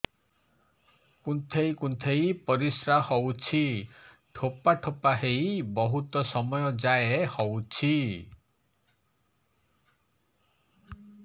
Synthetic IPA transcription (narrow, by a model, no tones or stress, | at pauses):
kunt̪ʰejkunt̪ʰejpɔɾisɾahɔwt͡ʃʰi | ʈʰopaʈʰopaɦejbɔɦut̪ɔsɔmɔjɔd͡ʒaeehɔwt͡ʃʰi